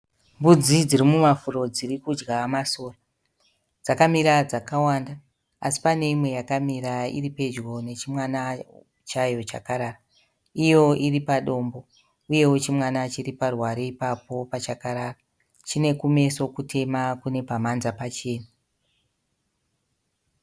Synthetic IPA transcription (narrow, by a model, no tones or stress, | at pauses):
mbud͡zid͡zirimumafuro̞d͡zirikud͡ʒɡamaso̞ːra | d͡zakamiɾad͡zakawanda | a̰si̥pane̞imwe̞jakamiɾaḭripe̞d͡ʒɡo̞ne̞t͡ʃimwana | t͡ʃajo̞t͡ʃa̰kaɾaːra | ijo̞iripaɗo̞mbo̞ | uje̞wo̞t͡ʃimwanat͡ʃiriparwaɾeipapo̞pat͡ʃakaɾaːra | t͡ʃine̞kume̞so̞kutʰe̞makune̞pamanzapat͡ʃe̞ːna